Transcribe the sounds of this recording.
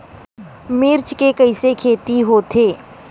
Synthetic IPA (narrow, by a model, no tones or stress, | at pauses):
mɪɾt͡ʃkekɐɪsekʰeːt̪iɦoːt̪ʰeː